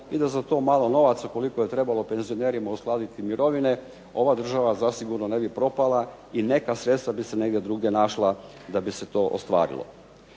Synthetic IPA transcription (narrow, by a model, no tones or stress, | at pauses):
id̪azat̪o̞ːmaːlˠo̞no̞ʋat̪suko̞liko̞jet̪ɾe̞balˠo̞pe̞nzioneːɾimausklˠaːd̪it̪imiɾo̞ʋine̞ | o̞ʋad̪r̩ʒaʋazasiɡuɾnone̞bipɾo̞palˠa | ine̞kasɾet̪st̪ʋabiseneɡd̪ʲjed̪ɾuːɡje̞naʃlˠa | d̪abiset̪o̞ʔo̰st̪ʋa̰ːɾḭlˠo̰